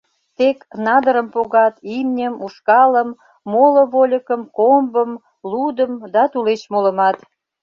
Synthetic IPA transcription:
t̪eknɑd̪əɾəmpoɣɑt̪imnʲəmuʃkɑləmː | olə̆βolʲəkəmkombəm | lud̪əmd̪ɑt̪ulet͡ɕmolə̆mɑt̪

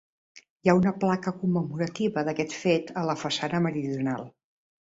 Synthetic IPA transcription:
jaunəplakəkumːəmuɾət̪iβəðəkɛt̪fet̪ələfəsanəməɾiðiunalˠ

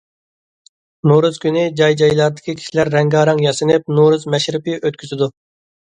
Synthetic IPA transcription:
noɾuzkʲynɪd͡ʒɑjd͡ʒɑjlˠɑɾd̪ɨkʲʰikʲʰi̥ʃilæɾːɛŋɡɑːɾɑŋjɑsɨnɨp̚noɾuzmɛʃɾɪpɨʔøt̪̚kʲʰyzɪd̪u

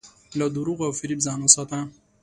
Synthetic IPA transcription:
lad̪uɾuɣawfiɾibzɑːnosat̪ã

